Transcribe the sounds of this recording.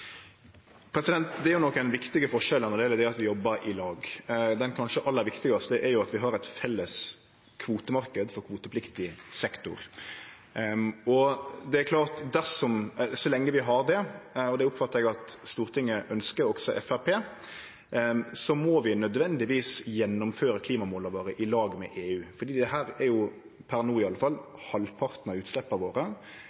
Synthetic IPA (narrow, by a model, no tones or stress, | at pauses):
pʰɾɛsɪd̪ɛnt̪d̪ɛæɾjʊnɔkːæɛnʋɪkt̪ɪɡəfɔʂɛlɑnəd̪ɛːləd̪ɛɾɑt̪ʋɪjɔbːəɾɪlɑːɡd̪ɛnkʰɑnʂəʔɑlːəɾʋɪkt̪ɪɡɑst̪əʔæɾjʊɑt̪ʋɪɦɑɾɛt̪fɛlːəs | kʰʋuːt̪əmɑɾkəd̪fɔɾkʰʋuːt̪əpʰlɪkt̪ɪsɛkt̪ʊ̰ɾ | ɔd̪ɛæɾkʰlɑːɾt̪d̪æɾʂɔmsɔlɛŋːəʋɪɦɑɾd̪ɛɔd̪ɛʊpfɑt̪ːəɾɛɡɑt̪st̪uːɾt̪ʰɪŋːəʔœnskəɾɔɡsɔʔɛ̰fæpʰeː | sɔmɔʋɪnœd̪ʋɛnd̪ɪʋiːsjɛnːʊmføːɾəkʰliːmɑmuːlɑʋoːɾəʔɪlɑːɡmɛ̰ʔeːʉːfɔɖ̪iːd̪ɛɦæːɾæɾjʊ | pʰæɾnuːɪɑlːəfɑlː | hɑlpʰɑɾt̪nɑʉːt̪slɛpːəʋoːɾə